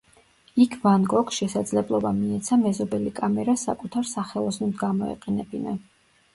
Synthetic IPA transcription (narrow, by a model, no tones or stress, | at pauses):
ikʰvanɡɔksʃɛsad̪zlɛblˠɔbamiɛt̪sʰamɛzɔbɛlikʼamɛɾasa̰kʼut̪ʰaɾsaχɛlˠɔsnɛmd̪ɡamɔɛ̰qʼɛnɛbina